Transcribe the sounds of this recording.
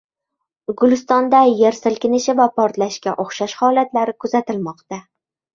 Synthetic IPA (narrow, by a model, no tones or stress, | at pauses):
ɡʊlɪst̪ɒnd̪ajeɾsɪlkʲɪnɪʃɪvapʰɒɾt̪laʃkʲaʔoχʃaʃhɒlat̪laɾɪkʰʊzat̪ɪlmɒqt̪a